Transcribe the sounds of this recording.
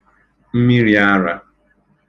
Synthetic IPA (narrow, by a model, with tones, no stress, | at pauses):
m̩˦mi˦ɾi˦a˦ɾa˨